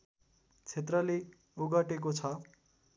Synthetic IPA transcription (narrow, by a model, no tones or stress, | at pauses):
t͡sʰet̪rʌle | oɡʌʈek̬ot͡sʰʌ